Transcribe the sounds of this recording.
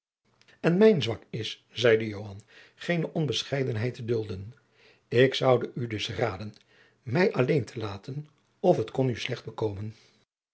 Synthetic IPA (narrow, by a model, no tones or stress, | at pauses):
ɛnmɛjnzʋɑkɪs | z̥ɛjdəjowɦɑn | χejnəʔɔnbəsχɛjdənɦɛjtədɵlˠdən | ɪksʌwdəʔydɵsraːdən | mɛjʔɑlejntʰəlaːtʰən | ɔfɦətkɔnyslɛχt̚bəkowmən